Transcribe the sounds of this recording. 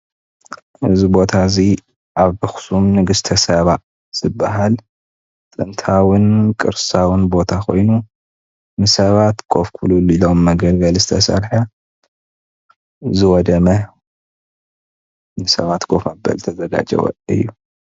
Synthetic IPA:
ʔɨzibo̞t̪ʰazi | ʔaβbɨxsumnɨɡɨst̪ʰɐsɐβa | z̥ɨbːaɦal | t̪ʼɨ̰nt̪ʰawɨnkʼɨ̰ɾsawɨnbo̞t̪ʰakʰo̞̰jnu | nɨsɐβat̪ɡʰo̞fkʰululilo̞mːɐɡɐlɡɐlzɨt̪ʰɐsɐ̰ɾħɐ | zɨwɔd̪ɐmɐ | nɨsɐ̰βat̪kʰo̞fmɐbːɐ̰lt̪ʰɐzɐɡa̰d͡ʒɐ̰wɐ̰ɨ̰jːu

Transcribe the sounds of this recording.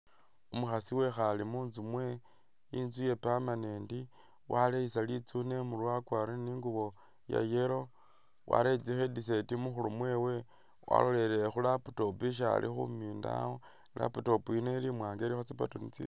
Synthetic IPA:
umuxasiwe̞xalimuːnzumwe | inzuje̞pamaneːndi | waleisalit͡sune̞mulwakwaɾoniːŋɡuβo̞ | ja̰jeɾo̞ | wa̰ɾet͡sixedis̬e̞timuxulumwe̞ːwe̞ | wʔa̰lo̞le̞lexulapu̥to̞piʃ̬a̰lʔḭxṵmiːnda̰o | la̰puto̞puinelimwaːŋɡeɾixot͡sipatonit͡sḭ

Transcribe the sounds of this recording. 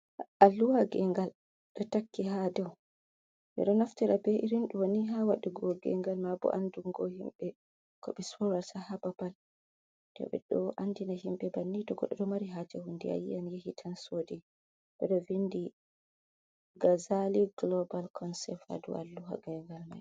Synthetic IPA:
ʔalːuhaɡɛŋɡal | ɗɔtakːiɦadɛw | ʔɛ̰ɗɔnaftɛɾabɛʔiɾinɗuwoniɦawaɗiɡɔɡɛ̰ŋɡalmabɔ̰ʔanduŋɡɔhimɓɛ | kɔɓɛsɔɾasahababal | d̥ɔ̰ɓɛ̰ɗɔʔandinaɦimɓɛbanːitɔɡɔ̰ɗɔdɔmaɾiɦad͡ʒɛhundia̰jḭanjehitʰansoːdi | ɓɛɗɔvindi | ɡazaliɡlɔbalkʰɔnsɛfa̰dṵa̰lːuha̰ɡɛŋɡalma̰j

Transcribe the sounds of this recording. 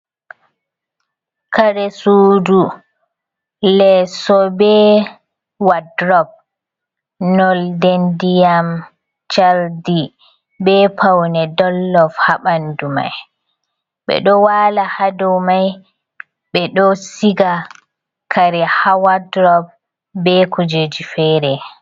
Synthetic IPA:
kʰaɾɛsuːdu | lɛsɔbɛ | wadɾɔb̚ | nɔldendijam | t͡ʃaldi | bɛpʰawnɛdɔlːɔfhaɓanduma̰j | ɓɛ̰ɗɔwalahadɔwmaj | ɓɛɗɔsiɡa | kʰaɾɛhawadɾɔb̚ | bɛkud͡ʒed͡ʒifɛːɾɛ

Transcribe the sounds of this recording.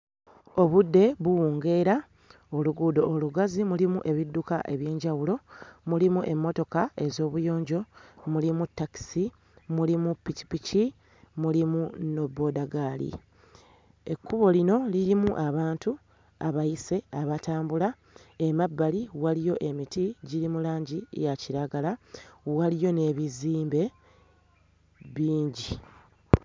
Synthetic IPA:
o̞βudːe̞βuwuːŋɡe̞ɾa | o̞luɡudo̞ʔːluɡazimulimuʔe̞βidːuka̰ʔe̞βje̞ːɲɟawulo̞mulimuʔe̞mːo̞to̞kae̞zo̞ːβujo̞ːɲɟo̞mulimutːaki̥si | mulimupːici̥pici | mulimuno̞bːo̞daɡaːlḭ | e̞kːuβo̞lino̞liɾimuʔaβaːntu | a̰βajise̞aβataːmbula | emabːaliwalijo̞ʔe̞mitiɟiɾimulaːɲɟḭjaciɾaɡalawalijo̞ne̞ːβiziːmbe̞ | βiːɲɟi

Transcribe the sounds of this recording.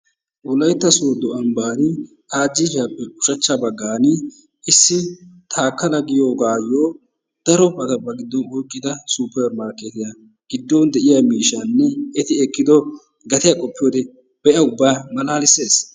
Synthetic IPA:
wʊlɐjt̪ːɐsoːd̪ɔɐmbaːnɪ | t̪aːd͡ʒːɪfɪjɐpːɛʊ̥ʃɐt͡ʃːɐbɐɡːaːnɪ | ʔɪsːɪt̪ʰaːkːɐlɐɡɪjo̞ːɡaːjoː | d̪̥ɐɾɔpːɐt̪ɐbːɐɡɪd̪ːɔnɔjkʼːɪd̪ɐsupːɛɾmaːɾket̪ɪjɐ | ɡ̥ɪd̪ːɔnd̪ɛʔɪjamiːʃːɐnːɛɛt̪ɪɛkːɪd̪ɔ | ɡɐt̪ɪjɐkʼɔpːɪjoːd̪ɛ | b̥ɛʔɐʊbːaːmɐlaːlɪse̞ːs

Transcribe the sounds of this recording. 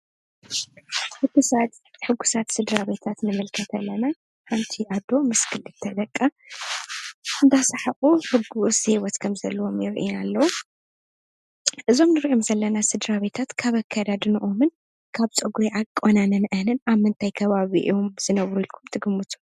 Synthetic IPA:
ħɨɡɨsat̪ħɨɡːusat̪sɨd̪ɾaβe̞t̪ʰat̪nɨmɨlkʰɐt̪ʰɐlːɐna | ħant̪ʰiad̪o̞mɨskʰɨlɨt̪ʰɐd̪ɐkʼːa | ɨnd̪asaħaʔʼuhɨɡːusewɔt̪kʰɐmzɐlːɐwo̞mjɪɾʔḭnalːɐwu | ʔɨzo̞mnɨɾʔomzɐlːɐnasɨd̪ɾaβe̞t̪ʰat̪kʰaβɐkʰːad̪ad̪ɨnɨʔomɨn | kʰaβt͡sʼɨɡuɾeʕakʼːonanɨnʔɨhnɨnaβmːɨnt̪ʰajkʰɐβaβḭʔomz̥ɨnɐβɾuilkʰumt̪ʰɨɡɨmːɨt̪ʰu̥

